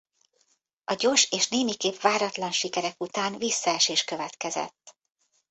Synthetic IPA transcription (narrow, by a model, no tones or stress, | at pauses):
ɒɟoːrʃeːʃneːmikeːpʋaːɾɒt̪lɒnʃikɛɾɛkut̪aːnvisːɒɛʃeːʃkø̞vɛt̪kɛzɛ̰t̪ː